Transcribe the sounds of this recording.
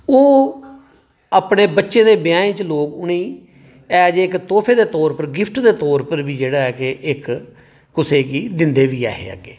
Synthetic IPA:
oː | aːpɳeːbətːʃeːd̪eːbɪjãːẽːt͡ʃloːkʊnĩː | ɛːd͡ʒɪkt̪oːpʰeːd̪eːt̪ɔːɾpəɾɡɪpʰʈd̪eːt̪ɔːɾpəɾbiːd͡ʒeːɽaːɦɛːkeʔɪkː | ʊseːkiːd̪ɪnd̪eːʋiːa̰ːɦḛːa̰ɡḛː

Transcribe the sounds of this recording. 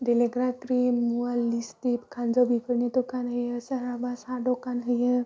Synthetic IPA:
ɖeleɡɾakɾimːualːist̪ipkʰand͡zəbʱikəɾnit̪okanɦəjesəɾabasaɖokanɦəje

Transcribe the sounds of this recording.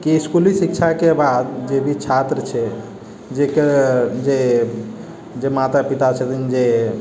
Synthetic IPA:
kiskulisikt͡ʃʰakebad̪d͡ʒebʱit͡ʃʰat̪ɾət͡ʃʰɛ | d͡ʒeked͡ʒe | d͡ʒemat̪apit̪at͡ʃʰɛt̪ind͡ʒe

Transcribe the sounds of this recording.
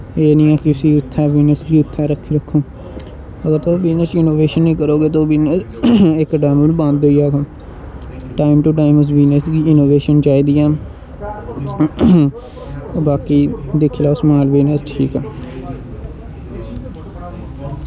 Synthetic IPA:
eːnĩːɛːkɪʊsiːʊt̪ʰːɛːʋiːnəsɡiːʊt̪ʰːɛːɾəkʰːiːɾəkʰːõː | əɡəɾt̪oːʋiːnəsɪnoːʋeːʃənːĩːkəɾoːɡeːt̪̬oːʋiːnəs | ɪkɖɛːməlbə̃nd̪oːiːaːkaː | ʈaːɪmʈuʈaːɪmʊsʋiːnəsɡ̪iːɪnoːʋeːʃənt͡ʃaːiːd̪iːɛː | obaːkiːd̪ɪkʰːlaːʊsmaːlʋiːnəsʈʰiːkɛː

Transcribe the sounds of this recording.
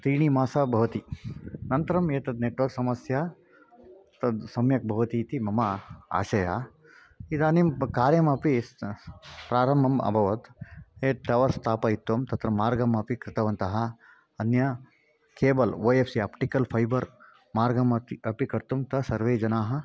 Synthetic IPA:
t̪ɾiːɳ̃imaːsabʱɐʋɐt̪inɐnt̪ɐɾɐmeːt̪ɐd̪neːʈʋɐɾksɐmɐsja | t̪ɐd̪sɐmjɐk̚bʱɐʋɐt̪iːt̪imɐmɐa̰ːʃɐjaː | it̪ɐːnimkaːɾjɐmɐpis | pɾaːɾɐmbʱɐmɐ̰bʱɐʋɐt̪eːt̪ɐʋɐɾst̪ʰaːpɐit̪wɐmt̪ɐt̪ɾɐmːaːɾɡɐmɐpikɾɪt̪ɐʋɐnt̪ɐɦɐ | ɐnjɐ | keːbɐlʋoːepʰsiaːpʈikɐlpʰɐjbɐɾ | maːɾɡɐmɐt̪iɐpikɐɾt̪umt̪ɐsɐɾʋeːd͡ʒɐnaːɦɐ̆

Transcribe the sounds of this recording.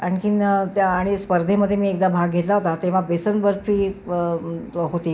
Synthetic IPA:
aɳkint̪aːɽ̃ispəɾd̪ʱeməd̪ʱjemiːek̚d̪abʱaɡɡʱet̪laɦot̪at̪eʋ̤abesənbəɾfʰiː | ɦot̪iː

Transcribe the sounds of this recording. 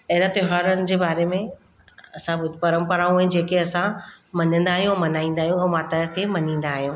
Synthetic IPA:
ɐɦɪɾat̪ɪɦaːɾənɪ̆d͡ʑeːbaːɾemẽ | ɐsãbʊd̪ʱpɐɾəmpɐɾaːũɐɦɪ̃d͡ʑeːkeɐsãmɐɲə̃nd̪aːɦijũɛ̃mɐnaːĩːn̆d̪aːɦijũɛ̃ːmaːt̪əkʰeːmɐɲĩːn̆d̪aːɦijũː

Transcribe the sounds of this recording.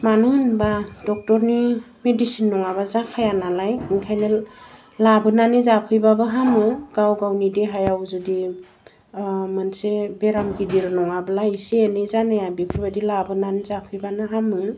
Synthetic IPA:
manɯnbadɔk̚tɔɾni | medisinːɔŋaβazakʰajanalajiŋkʰajnɯ | labɯnanizapʰɯjbabɯɦamɯɡawɡawnidiɦajawzudi | mɯnsebeɾamɡidiɾnɔŋabɯlaiseenizanajabikʰubadilabɯnanizapʰɯjbanɯɦamɯ

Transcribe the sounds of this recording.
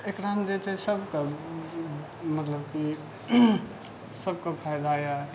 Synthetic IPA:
ekɾamd͡ʒet͡ʃʰɛsəbke | mət̪ləbki | səbkəpʰajd̪aja

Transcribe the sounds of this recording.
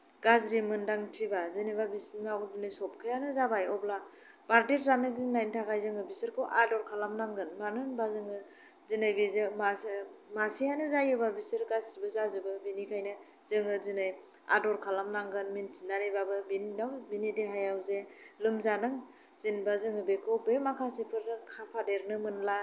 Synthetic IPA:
ɡ̥azɾimɯndaŋtʰibazɯnɯjbabisnawdinɯjsɔp̚kʰɯjanɯzabajɔbla | b̥aɾdiɾzanɯkzinnajntʰakajzɯŋɯbisɯɾkʰɯwʔadɔɾkʰalamnaŋɡɯnmanɯŋbazɯŋɯ | zinɯjbizɯmamasihanɯzajɯbabisɯɾkasibɯzazɯbɯbinikʰajnɯ | z̥ɯŋɯzinɯj | a̰dɔɾkʰalamnaŋɡɯnminsinaɾebabɯbininawbinideɦajawzelɯmzanɯŋ | z̥inbazɯŋɯbekʰɯwbemakʰasipʰɯɾɯkʰapʰadeɾnɯmɯnla

